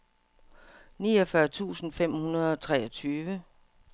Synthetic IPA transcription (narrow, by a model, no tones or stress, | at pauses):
niːɒfɶɐt͡sʰṵːsn̩fem̰hunɐð̞ˠɒ̽t͡sʰʁɛːɒt͡sʰyːʋə